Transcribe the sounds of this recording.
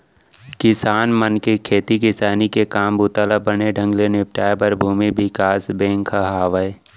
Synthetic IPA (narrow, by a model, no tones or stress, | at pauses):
kɪsaːnmənkekʰeːt̪ikɪsaːnikekaːmbut̪aːlabəneɖʱə̃ŋɡlenɪp̚ʈaːebəɾbʱuːmibɪkaːsbẽːŋkʰəɦaːʋəe